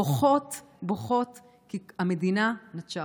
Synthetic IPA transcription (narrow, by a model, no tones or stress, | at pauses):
oχot | boχo̞t̪ | kiamedinanatt͡ʃa